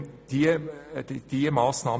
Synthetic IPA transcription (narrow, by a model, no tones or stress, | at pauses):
d̥iːdd̥iːmaːsnaːm